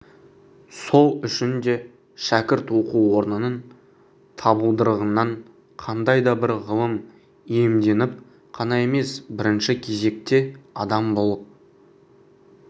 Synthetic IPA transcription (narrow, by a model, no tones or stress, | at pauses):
so̞lˠʏʃɪnd̪e̞ | ʃækʲɪɾt̪wo̞quwwo̞ɾnənən | t̪ʰɑbəlˠd̪əɾəʁənːɑɴ | qʰɑnd̪ɑjd̪ɑbɪɾʁəlˠəm | e̞md̪e̞nɪp̚ | qʰɑnɑe̞me̞sbɪɾɪnʃɪkʲʰe̞ze̞k̚t̪e̞ɑd̪ɑmbolˠəp̚